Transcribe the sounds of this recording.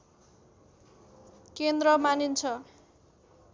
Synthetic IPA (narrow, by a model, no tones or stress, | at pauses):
kend̪rʌmanint͡sʰʌ